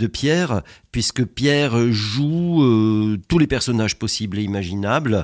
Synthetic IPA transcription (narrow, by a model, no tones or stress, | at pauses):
d̪əpjɛʁpɥiskəpjɛʁʒuøt̪ulepɛʁsɔnaʒpɔsibleimaʒinabl